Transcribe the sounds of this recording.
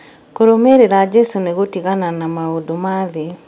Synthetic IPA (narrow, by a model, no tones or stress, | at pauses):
koɾomeɾeɾad͡ʒɛsoneɣotiɣananamaodomaðe